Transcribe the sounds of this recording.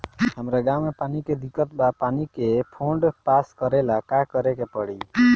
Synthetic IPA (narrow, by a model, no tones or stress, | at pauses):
ɦəmɾaɡawmepaniked̪ikət̪bapanikepʰoɳɖpaskəɾelakakəɾekepəɽi